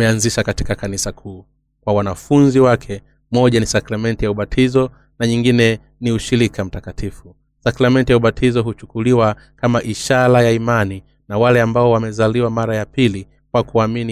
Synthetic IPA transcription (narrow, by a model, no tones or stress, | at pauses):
ɛanziʃakati̥kakanisakʰuː | kwawanafunziwakʰɛ | mɔʄanisakɾamɛntijauɓatʰizɔ | naɲiŋɡinɛ | niuʃiɾikʰam̩takatʰifu | sakɾamɛntijauɓatʰizɔɦut͡ʃu̥kuliwa | kamaʔiʃaɾajaimani | nawalɛambaɔwamɛzaliwamaɾajapili | kwakuamini